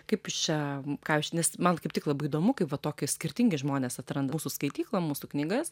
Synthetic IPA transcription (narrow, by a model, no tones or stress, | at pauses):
kɐɪpjʊst͡ʃʲɛkɑːʋʲɪʃʲnʲɛsmɐnkɐɪp̚t̪ʲɪklˠɐbɐɪid̪oːmʊkɐɪpʋɐt̪oːkʲɪsʲkʲɪɾʲt̪ʲɪŋʲɡʲɪʒmoːnʲeːsɐt̪ɾɐnd̪ɐmuːsʊskɐɪt̪ʲiːklˠɐmuːsʊknʲiɡɐs